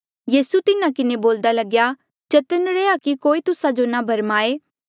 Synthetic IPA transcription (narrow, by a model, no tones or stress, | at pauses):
jiːsut̪ɪnãkɪneboːld̪alɐɡja | t͡ʃɐt̪ənɾeːakikoːit̪ʊsãd͡ʒonabʱɐɾmaːeː